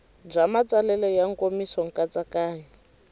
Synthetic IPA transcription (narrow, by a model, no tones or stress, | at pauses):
b͡ʐamat͡salɛlɛjaŋkomisɔŋ̩kʼat͡sʼakaːɲɛ